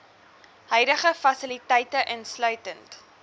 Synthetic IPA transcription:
ɦœɥdəχəfɐsilitɛjtəʔənslœɥtənt

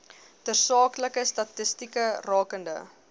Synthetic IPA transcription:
tərsɑːkləkəstɐtəstikərɑːkəndə̰

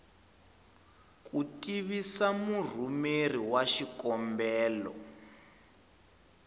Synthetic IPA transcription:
kʼutʼiβisamur̤umeriwaʃikɔmbɛːlɔ̰

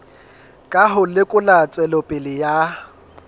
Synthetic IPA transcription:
kʼaɦʊlɪkʼʊlat͡sʼwɛlɔpʼɪlɪja

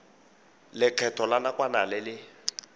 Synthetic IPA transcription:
lɪkʰɛtʰɔlanakʼwanalɛlɪ

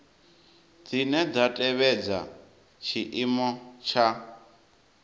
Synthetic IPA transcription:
d͡zinɛd͡zatʼɛβɛd͡za̰ | t͡ʃʰiʔimɔt͡ʃʰa

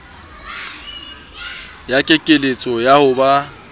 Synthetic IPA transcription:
jakʼekʼelet͡sʼɔjahʊba

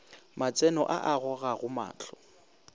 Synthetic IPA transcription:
mat͡sʼɛnɔʔaʔaɣɔɣaɣʊma̰ːt͡ɬʰɔ

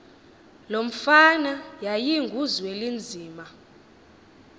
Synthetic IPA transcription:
lom̩fanajajiŋɡʱuzwelind͡zʱiːma

